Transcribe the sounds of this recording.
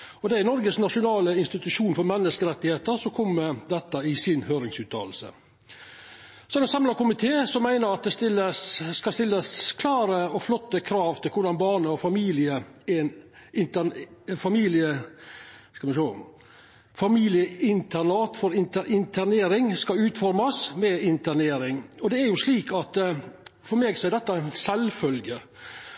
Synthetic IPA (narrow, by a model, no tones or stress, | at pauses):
ɔd̪ɛæɾnɔɾɡəsnɑʂʊnɑːləɪnst̪ɪt̪ʉʂuːnfɔɾmɛnːəskəɾɛt̪ːɪheːt̪əɾsɔkʰɔmːəd̪ɛt̪ːəɪsɪnhøːɾɪŋsʉːt̪ʰɑ̰ːl̩sə̰ | sɔɛnsɑmlɑkʊmɪt̪ʰeːsɔmːæɪnəɾɑt̪̚d̪ɛst̪ɪlːəskɑst̪ɪlːəskʰlɑːɾəɔflɔt̪ːəkʰɾɑːʋt̪ʰɪlkʰʊɖɑnbɑːɳəɔfɑmiːlɪəɛn | ɪnt̪ənfɑmiːlɪə | skɑmɛnʂoː | fɑmiːlɪəɪnt̪ʰænɑːt̪fɔɾɪnt̪əɾʔɪnt̪ʰæneːɾɪŋskɑʉːt̪fɔɾmɑsmɛɪnt̪əɳeːɾɪŋɔd̪ɛæɾjʊʂliːkʰɑt̪fɔɾmeːɡsɔɛæɾd̪ɛt̪ːɑnsɛlfœlɡə